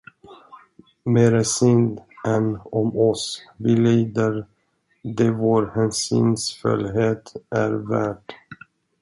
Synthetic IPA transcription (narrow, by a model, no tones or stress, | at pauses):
meːɾəsʏnd̪ʔɛnɔmɔsvɪliːd̪əɾ | d̪ɛvoːɾhɛnsy̰ːnsfɵ̰lɦeːt̪ʔæɾvæ̰ːʈ